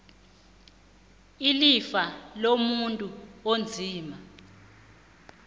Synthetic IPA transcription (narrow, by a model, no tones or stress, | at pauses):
ilifalomuntʼuond͡zʱiːma